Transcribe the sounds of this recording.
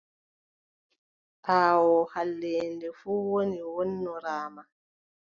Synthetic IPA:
ʔaːwɔhalːɛːndɛfuːwoniwɔnːɔɾaːma

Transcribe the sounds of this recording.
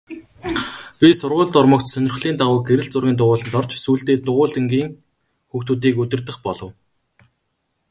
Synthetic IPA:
pʲisʊrʁʊːɮt̪ʊrmə̆kt̪sœnʲɪ̆rχɮiːnt̪aʁʊːɡeɾɘ̆ɬt͡sʊrɣʲiːnt̪ʊʁʊːɮə̆nt̪ɔr̥t͡ɕsuːɬt̪eːt̪ʊʁʊːɮɘ̆ŋɡiːŋ | xuːxt̪uːt̪̬iːkɵt̪ɘ̆rt̪ɘ̆χpɔɮɞ̆w

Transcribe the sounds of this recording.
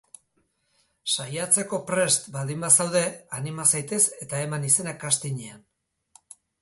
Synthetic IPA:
sajat͡se̞ko̞pɾe̞st̪bald̪imbasawðe̞animasajt̪e̞se̞t̪aemanise̞nakast̪iɲean

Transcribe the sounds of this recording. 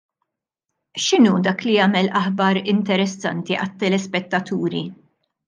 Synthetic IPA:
ʃɪnuːd̪ɐːkliɐːmɛlʔɐħbɐɾɪnt̪ɛɾɛsːɐ̰nt̪iʔɐt̪ːɛlɛspɛt̪ːɐt̪uːɾi

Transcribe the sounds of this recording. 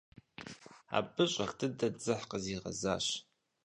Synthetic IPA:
a̰ːbɨɕʼɐxtʰɨdɐd͡zɨħqəziːʁɐ̰za̰ːɕ

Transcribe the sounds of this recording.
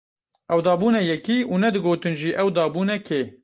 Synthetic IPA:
ʔɛwd̪ɑːbuːnɛjɛkiːʔunɛd̪ɨɡoːt̪ɨnʒiːʔɛwd̪ɑːbuːnɛkʰeː

